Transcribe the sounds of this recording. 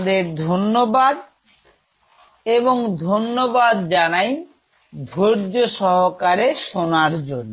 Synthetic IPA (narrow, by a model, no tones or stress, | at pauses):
d̪eɾd̪ʱonːobad̪ | eboŋd̪ʱonːobad̪d͡ʑanaj | d̪ʱoɾd͡ʑoʃɔɦokaɾeʃonaɾd͡ʑonːo